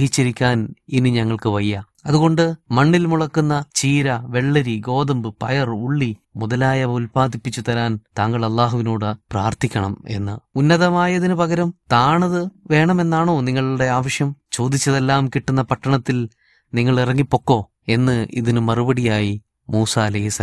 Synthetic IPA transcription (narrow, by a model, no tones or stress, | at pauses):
ɦit͡ɕːiɾikʲːaːninɨɲɐŋːɐɭkɨʋɐjːɐ | ɐðuɣo̞ɳɖɨmɐɳːilmuɭɐkːunːɐt͡ɕiːɾɐʋe̞ɭːɐɾiɡo̞ːðɐmbɨpɐjɐruɭːi | muðɐlaːjɐulpaːd̪ipːit͡ɕːut̪ɐɾaːnt̪aːŋɡɐɭɐlːaːɦuʋinoːɽɨpraːrt̪ʰikʲːɐɳɐme̞̰nːɨ̰unːɐðɐmaːjɐðinɨpɐɣɐɾɐmt̪aːɳɐðɨʋe̞ːɳɐme̞nːaːɳo̞ːniŋːɐɭuɽe̞aːʋɐʂjɐmt͡ɕo̞ːd̪it͡ɕːɐðe̞lːaːmkiʈːunːɐpɐʈːɐɳɐt̪ːil | niŋːɐɭirɐŋːipːo̞kːo̞ː | e̞nːɨʔḭðinɨmɐrubɐɽijaːji | muːsaːɐlɐjɦisɐ